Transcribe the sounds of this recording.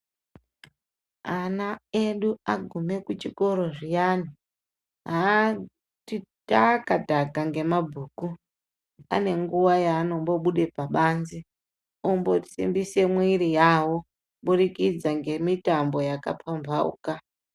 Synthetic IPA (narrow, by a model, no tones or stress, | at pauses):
anaeɗuaɡʱume̞kut͡ʃiko̞ɾo̞ʐijaːni | ɦa | titakadʱaɡaŋɡe̞mabʱuːku | a̰ne̞ŋɡuwajaːno̞mbo̞ɓuɗepaɓaːnzi | umbo̞ti̥sḭmbise̞mwiɾijawo̞ | ɓuɗikid͡zaŋɡe̞mitambo̞jaka̰pʰambaṵːka